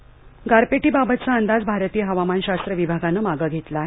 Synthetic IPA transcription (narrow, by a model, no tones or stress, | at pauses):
ɡaɾpeʈiːbabət̪̚t͡saənd̪ad͡zbʱaɾt̪iːəɦəʋamanɕast̪ɾəʋibʱaɡanəmaɡəɡʱet̪lae